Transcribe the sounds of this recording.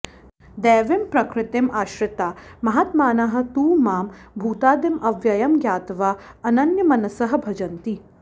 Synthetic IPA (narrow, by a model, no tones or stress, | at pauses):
d̪ɛːʋempɾɐkɾɪt̪emʔaːʃɾɪt̪aːmɐɦat̪maːnɐɦɐ̆t̪uːmaːmbʱuːt̪aːd̪emɐʋjɐjɐmɡjaːt̪ʋaːɐnɐnjɐmɐnɐsɐɦɐ̆bʱɐd͡ʒɐnt̪i